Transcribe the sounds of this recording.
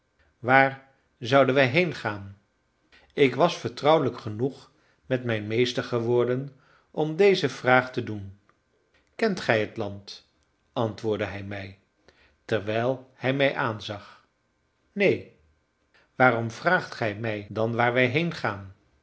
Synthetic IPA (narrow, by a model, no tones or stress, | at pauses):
ʋaːɹ | zʌwdənʋɛjɦejnχaːn | ɪkʋɑsfəɹtrʌwləkχənuχ | mɛtmɛjnmejstəɹχəʋʊːɹdən | ʔɔmdejzəv̥raːχtədun | kɛntχɛjɦətlɑnt | ʔɑntʋʊːɹdəɦɛjmɛj | tɛɹʋɛjlˠhɛjmɛjʔaːnzɑχ | nej | ʋaːrɔmvraːχtχɛjmɛjdɑnʋaːɹʋɛjɦejnχaːn